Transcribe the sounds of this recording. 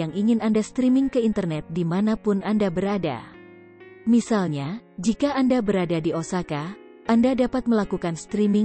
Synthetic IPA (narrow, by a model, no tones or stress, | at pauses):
jaŋiŋɪnandast̪ɾimɪŋkəint̪ərnɛt̪̚dimanapʊnʔandabəɾada̰ | misalɲad͡ʒikaːndabəɾadadiosaka | ʔandadapat̪̚məlakukanst̪ɾimɪ